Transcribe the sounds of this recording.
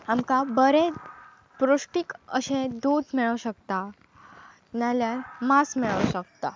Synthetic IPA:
amkabəɾe | pɾoʂʈikə̰ɕẽd̪ud̪miɭəʋɕəkt̪a | naljaɾmasmiɭəʋɕək̚t̪a

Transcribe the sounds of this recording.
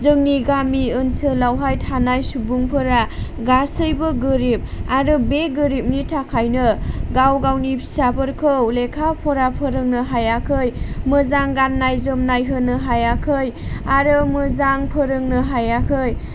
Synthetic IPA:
zɯŋniɡamiɯnsɯlawɦajtʰanajsubuŋpʰɯɾa | ɡasɯjbɯɡɯɾip̚aɾɯbeɡɯɾip̚nitʰakʰajnɯɡawɡawnipʰi̥sabɯɾkʰɯwlekʰapʰɔɾapʰəɾɯŋnɯɦajakʰɯjmɯzaŋɡanːajzomnajɦɯnɯɦajakʰɯjaɾɯmɯzaŋpʰəɾɯŋnɯɦajakʰɯj

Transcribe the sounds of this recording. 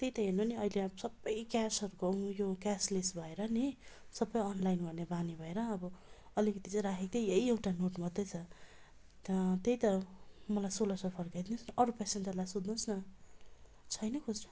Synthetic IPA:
t̪ejt̪ʌɦenʌniʌjlesʌbːʌjkasʌɾukoũjokaslisbʱʌeɾʌnisʌbːʌjʌnlajnɡʌrnebanibʱʌeɾʌːbʌ | ʌlikʌt̪it͡sãɾakʰek̚t̪ʌeɦiewʈanoʈmʌd̪ːʌt͡sʰʌ | t̪ejt̪ʌmʌlajsolʌsʌpʰʌrkajd̪inũsnʌʔʌɾupɛsend͡zʌlajsod̪nũnsnʌ | t͡sʰʌjnʌkʰod͡znʌ

